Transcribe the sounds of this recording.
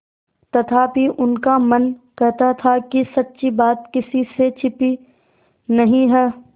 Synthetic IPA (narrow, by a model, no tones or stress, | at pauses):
t̪ɐt̪ʰabʱiʔʊnkamɐnkɛɦt̪at̪ʰakisɐtːʃibaːt̪kɪsiset͡ʃʰɪpi | nɐɦĩɦɛː